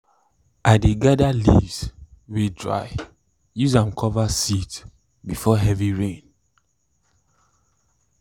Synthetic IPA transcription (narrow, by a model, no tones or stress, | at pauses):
aɪdeɡadalḭvs | wedɹa̰ɪ | juzãmkʰɔvasit | bifɔɦɛviɹẽn